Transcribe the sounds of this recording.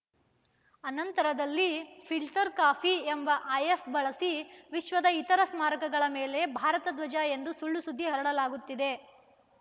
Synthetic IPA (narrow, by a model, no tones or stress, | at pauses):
ɐnɐnt̪ɐɾɐd̪ɐlːipʰilʈɐɾkaːpʰiembɐʔaːjepbɐɭɐsiʋiʃʋɐd̪ɐit̪ɐɾɐsmaːɾɐkɐɡɐɭɐmeːle̞bʱaːɾɐt̪ɐd̪ʋɐd͡ʒae̞nd̪usuɭːusud̪ʱːiɦɐɾɐɽɐlaːɡut̪ːid̪e̞